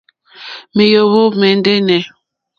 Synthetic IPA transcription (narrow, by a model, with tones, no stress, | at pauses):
me˨jo˨βo˦mɛ˨n˦de˦nɛ˨